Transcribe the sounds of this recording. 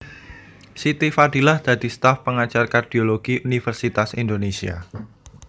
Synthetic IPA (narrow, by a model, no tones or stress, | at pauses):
sit̪ifad̥i̤lahd̪̥ad̪̥i̤st̪afpəŋat͡ʃarkard̪̥ioloɡ̥iʔunifərsit̪asind̪onesia̰